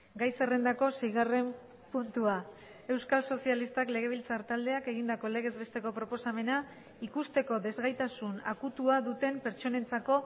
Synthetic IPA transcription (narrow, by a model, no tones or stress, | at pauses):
ɡajse̞rend̪ako̞se̞jɣare̞m | punt̪ua | e̞wskalso̞sialist̪akle̞ɣ̞e̞β̞ilt͡saɾt̪ald̪e̞ake̞ɣind̪ako̞le̞ɣ̞e̞zβe̞st̪e̞ko̞pɾo̞po̞same̞na | ikust̪e̞ko̞ðe̞zɣajt̪asuna̰kut̪uaðut̪e̞mpe̞ɾt͡ʃo̞ne̞nt͡sako̞